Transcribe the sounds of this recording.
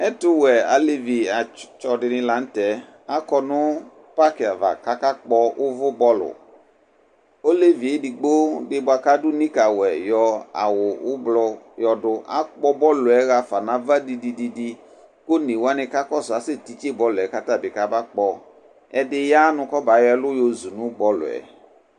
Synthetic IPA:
ɛ˦tʊ˦wɛ˨a˨le˦vi˨a˨t͡ʃɔ˨dɪ˨nɪ̃˧la˨n̩˦tɛ˨˦ | a˦kɔ˦nʊ̃˦ | pa˦kɪ˨a˨va̰˨ka˦ka˦k͡pɔ˦ʔʊ˦vʊ˦bɔ˦lʊ̰˨ | o˦le˦vi˨e˦di˨ɡ͡bo˦dɪ˦bʊ˨˦a˨ka˦dʊ˦nĩ˦ka˨wɛ˨jɔ˧a̰˨wʊ˨ʊ˦blɔ˧ | jɔ˧dʊ˧a̰˦k͡pɔ˦bɔ˦lʊ˨ɛ˨˦ɣa˧fa˨nã˨va˦di˧di˧di˨di˧ | ko˦nĩ˨wa˦nɪ̃˧ka˦kɔ˦sʊ˨a˨˦sɪ˦˨ti˨t͡ʃe˦˨bɔ˦lʊ˨ɛ˨˦ka˦ta˦˨bɪ˨ka˦ba˦k͡pɔ˧ | ɛ˨dɪ˦ja˦nʊ̃˧kɔ˦ba˨˦jɛ˦lʊ˦jo˧zu˨nʊ̃˨˦bɔ˦lʊ̰˨ɛ̰˨

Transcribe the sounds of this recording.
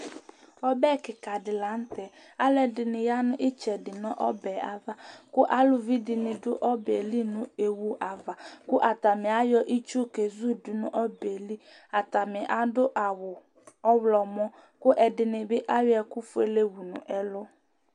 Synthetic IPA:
ɔ˦bɛ˦˨kɪ˨ka˨dɪ˨la˨˦n̩˦tɛ˨ | a˦lɛ˨dɪ˨nɪ̃˨ja˦nʊ̃˦ʔɪ˦t͡ʃɛ˨dɪ˨nɔ̃˦ʔɔ˦bɛː˨a˨va˦kʊ˦ʔa˦lʊ˨vi˦dɪ˨nɪ̃˨dʊ˦ʔɔ˦bɛ˨li˦nʊ̃˨e˨wu˨ʔa˨va˨kʊ˦ʔa˨t̪a˨mɪ̃˨a˨˦jɔ˦ʔi˦t͡ʃu˦˨ke˨zu˦dʊ˨nʊ̃˨ʔɔ˦be˨li˦ | a˨ta˨mɪ˨ʔa˨dʊ˦ʔa˨wʊ˨ | ɔ˦wlɔ˨mɔ̃˦ | kʊ˦ʔɛ˨dɪ˨nɪ˨bɪ˦ʔa˦wɛ˨kʊ˦fʊ˦e˨le˦wu˨nʊ̰̃˨ʔɛ˦lʊ˦

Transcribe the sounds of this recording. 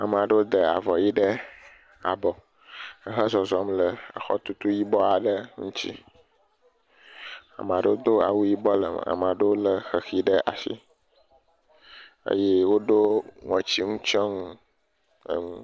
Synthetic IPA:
a˨m˨a˨ɖə˦wo˦d̪ə˨a̰˨vɔ˨ji˦ɖə˦ | a̰˨bɔ˨ | ə˨ɦə˦zɔ˨zɔ˦mlə˨ə˨xɔ̰˦t̪u˦t̪u˦ji˦bɔ˦a˨ɖə˦ŋũ˦t͡ɕḭ˦ | a̰˨m˨a˨ɖə˦wo˦d̪o˦a̰˨wu˦ji˦bɔ˦lə̰˨a̰˨m˨a˨ɖə˦wo˦lə˨xə˨xi˦ɖə˦ʔa̰˨sḭ˦ | ə̰˦jɛ˦wo˦ɖo˦ŋɔ̃˨t͡ɕi˦ŋũ˦t͡ʃɔ˦ŋũ˦ | ə̰˨ŋũ˦

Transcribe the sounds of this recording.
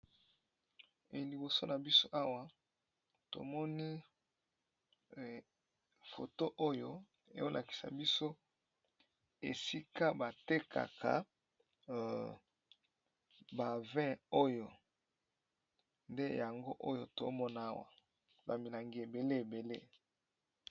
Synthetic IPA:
e˨li˨bo˨so˦na˨bi˦so˦ʔa˦wa˦ | to̰˨mɔ˦ni˦˨ | fo̰˨to˦ʔo˦jo˦ | ḛ˨jo˦lʔa̰˨ki̥˨sa̰˨bi˦so˦ | ḛ˨si˦ka˦ba˨te˦kʰa̰˨kʰa̰˨ | ba˨vɛ̃˦o˦jo˨ | nde˦ja˨ŋɡo˦ʔo˦jo˦to̰˨mɔ˦na˦a˦wa̰˨ | ba˨mi˨la˨ŋɡi˨e˨be˨le˦e˨be˨lḛ˦

